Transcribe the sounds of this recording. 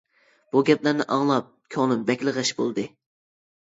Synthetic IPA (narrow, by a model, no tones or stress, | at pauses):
b̥uɡʲɛplæɾnɪʔɑŋlˠɑp̚kʲʰonɨmbɛkʲləʁɨʃbolˠd̪ɨ